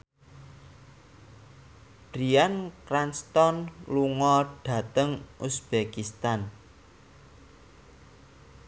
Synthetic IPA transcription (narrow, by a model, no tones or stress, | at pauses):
b̥ɾiankɾanst̪ɔnluŋɔɖ̥ä̤t̪əŋʔusb̥ekist̪an